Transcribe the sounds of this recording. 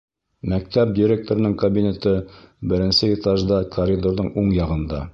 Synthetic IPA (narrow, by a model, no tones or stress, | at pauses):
mæk̚t̪æp̚d̪ʲiɾʲek̚t̪oɾɤ̆nɤŋkɐbʲinʲe̞t̪ɤbɘ̆ɾɘ̆nsɘet̪ɑʒd̪ɑkʰɐrʲid̪oɾðɤɴuɴjɑʁɤ̆nd̪ɑ̰